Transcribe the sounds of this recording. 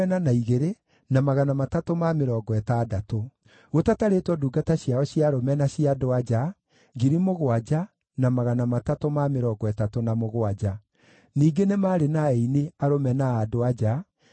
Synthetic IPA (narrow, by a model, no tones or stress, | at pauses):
ɛnanaiɣeɾe | namaɣanamatatomameɾɔːɡɔɛtadato | ɣotataɾetwɔduːɡataɕiaɔɕjiaɾomɛnaɕiadoad͡ʒa | ɡiɾimoɣoad͡ʒa | namaɣanamatatomameɾɔːɡɔɛtatonamoɣoad͡ʒa | niːɡenemaːɾenaɛineaɾomɛnaːdoad͡ʒa